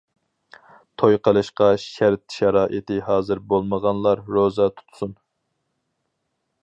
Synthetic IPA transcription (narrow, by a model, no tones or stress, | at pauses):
t̪ʰojqʰəlˠɨʃqɑʃæɾt̪̚ʃɛɾɑːʔit̪ʰɪɦɑːzɨɾbolˠməʁɑnlˠɑɾɾozɑt̪ʰu̥t̪ʰsun